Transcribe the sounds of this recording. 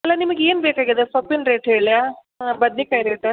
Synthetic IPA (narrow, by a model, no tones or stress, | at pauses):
ɐlːɐnimɐɡeeːnbeːkaːɡid̪esʋɐpːinɾeːʈɦeːɭjaː | bɐd̪nikaːjiɾeːʈ